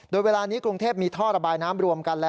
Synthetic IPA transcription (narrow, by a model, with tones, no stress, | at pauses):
doː˧jweː˧laː˧niː˦˥kɾu˧ŋt̪ʰeː˥˩p̚miː˧t̪ʰɔː˥˩ɾa˧baː˧jnaː˦˥mɾu˧əmka˧nlɛː˦˥